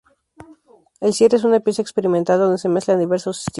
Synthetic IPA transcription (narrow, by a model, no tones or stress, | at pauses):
elsjeɾes̬unapjesaekspe̞ɾimẽnt̪ald̪o̞nd̪e̞se̞meskland̪iβe̞ɾsosi̥st̪